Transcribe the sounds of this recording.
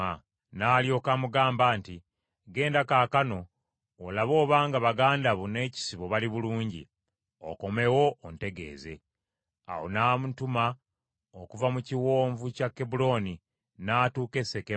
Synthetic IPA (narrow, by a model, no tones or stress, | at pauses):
a | naːljo̞ːkamuɡaːmbaːnti | ɡe̞ːndakaːkano̞ː | laβo̞ːβaːŋɡaβaɡaːndaβune̞ːci̥siβo̞βaliβuluːɲɟḭ | o̰ko̞me̞wo̞ːnte̞ɡe̞̰ːze̞̰ | a̰wo̰naːmutuma | okuvamuciwo̞ːɱvucakːebulo̞ni | naːtuːke̞se̞ke